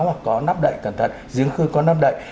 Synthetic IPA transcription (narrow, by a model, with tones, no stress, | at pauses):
wha˨˩t̚kɔ˨˦na˦˥p̚ɗə̰˧˨jkə˧˩nt̪ʰə̰˧˨nzɨ˨˦əŋxɨ˧kɔ˨˦naː˦˥p̚ɗə̰˧˨j